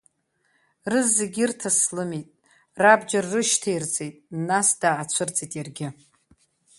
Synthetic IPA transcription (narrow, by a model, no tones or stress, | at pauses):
rɨzːeɡʲirtʰaslɨmitʼ | rabd͡ʒarːɨʃtʰejrt͡sʼe̞jtʼnasdaːt͡ʃʷʰɨrt͡sʼitʼjarɡʲɪ